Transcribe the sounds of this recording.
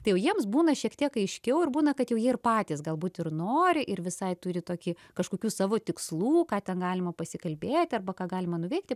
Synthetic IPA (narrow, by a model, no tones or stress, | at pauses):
t̪ɐɪjɛʊjiɛmsbuːnɐʃʲiɛkt̪ʲiɛkɐɪʃʲkʲɛʊɪɾbuːnɐkɐt̪jɛʊjiɛɪrpɑːt̪ʲiːsɡɐlˠbuːt̪ɪrnoːɾʲɪʔɪrʋʲɪsɐɪt̪ʊɾʲɪt̪oːkʲi | kɐʃkoːkʲuːsɑːʋoːt̪ʲɪkslˠuːkɑːt̪ʲɛnɡɑːlʲɪmɐpɐsʲɪkɐlʲbʲeːt̪ʲɐrbɐkɑːɡɑːlʲɪmɐnʊʋʲɛɪk̚t̪ʲɪ